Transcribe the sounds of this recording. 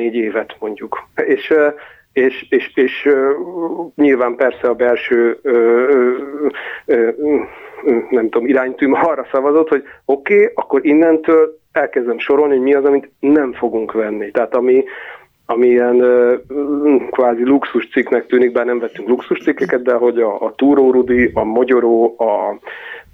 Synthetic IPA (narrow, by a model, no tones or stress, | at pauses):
eːɟeːvɛt̪mo̞ɲɟukeːʃ | eːʃeːʃeːʃ | ɲilvaːmpɛrsɛɒbɛlʃøːø | nɛmt̪uomiɾaːɲt̪ymɒrːɒsɒvɒzo̞t̪ho̞ɟo̞keːɒkːo̞ɾinːɛnt̪øːl | ɛlkɛzd̪ɛmʃo̞ɾo̞lnihomiɒzɒmint̪nɛɱfo̞ɡuŋkʋɛnːit̪ɛɦaːt̪ɒmi | ɒmiiɛnø | kʋaːziluksuʃt̪siknɛk̚t̪yːniɡ̚baːrnɛɱvɛt̪ːyŋkluksuʃt̪sikːɛkɛt̪̚d̪ɛɦo̞ɟɒːt̪uːɾoːɾud̪iʔɒmoɟo̞ɾoːɒ